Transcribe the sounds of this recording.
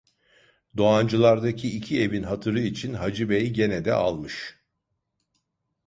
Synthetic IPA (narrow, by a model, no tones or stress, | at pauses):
d̪o̞and͡ʒɯlˠaɾd̪acʰiːcʰie̞vinɦat̪ʰɯɾɯit͡ʃʰinɦad͡ʒɯbɛjɟe̞nɛd̪ɛ̰a̰lˠmɯʃ